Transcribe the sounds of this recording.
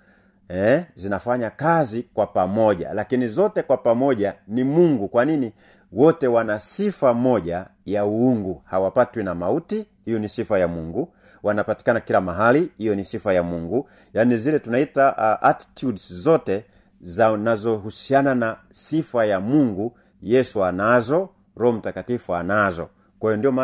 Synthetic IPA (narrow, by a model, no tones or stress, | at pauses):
ɛzinafaɲakazikwapamɔʄa̰lakinizɔtɛkwapamɔʄanimuŋɡukwanini | wɔtɛwanasifamɔʄajauuŋɡuhawapatwinamauti | hijɔnisifajamuŋɡu | wanapati̥kanakilamaɦalihijɔnisifajamuŋɡu | janizilɛtunaitaʔʔati̥tudszɔtɛ | zanazɔɦusianana | sifajamuŋɡu | jɛsuanazɔ | ɾɔɔm̩takatifuanazɔ̰ | kwajɔndijɔma